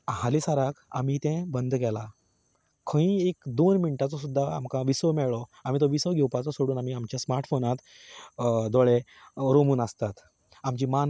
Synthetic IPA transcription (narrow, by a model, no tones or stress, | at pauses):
ɦalisaɾakʰa̰m̤it̪ẽbənd̪kɛla | kʰə̃ĩekd̪onmiɳʈat͡sɔsud̪ʱːaa̰mkãʋisəmɛɭɔam̤iːt̪oʋisəʋɡʱɛwpat͡sɔsoɽuːnam̤iamt͡ɕjasmaɾʈfonat̪ | d̪ɔɭe | ɾomuːnəst̪at̪ | amt͡ɕiman